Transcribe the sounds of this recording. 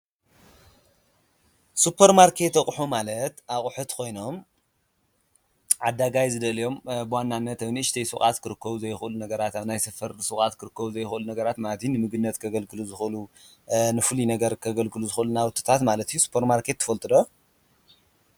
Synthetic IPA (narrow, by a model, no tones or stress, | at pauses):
supʰːɐɾmaɾkʰe̞t̪ːɐχʼħumalɐt̪akʼħut̪kʰo̞jno̞m | ʕad̪ːaɡajzɨd̪ɐlijo̞mbɨwanːanːɐt̪awjniɨʃt̪ʰɐjsɨxʼat̪kʰɨɾɨkːɐβuzɐjxlunɐɡɐɾat̪aβnajsɐfɐɾsuxʼat̪kʰɨɾɨkːɐβuzɐjxɨlunɐɡɐɾat̪malɐt̪ijnɨmɨɡɨnːɐt̪kʰɐɡɐlkʰɨluzɨxlu | nɨfɨlinɐɡɐɾkʰɐɡɐlkʰɨluzɨxʔɨlunawɨt̪ʰɨ̥t̪ʰat̪malɐt̪ʰijːusu̥pʰːɐɾmaɾkʰe̞t̪ʰːɨ̥fɐlt̪ʼɨd̪o